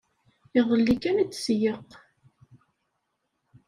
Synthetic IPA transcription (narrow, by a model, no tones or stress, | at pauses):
ɪðˤəlːikænit͡sːsjəq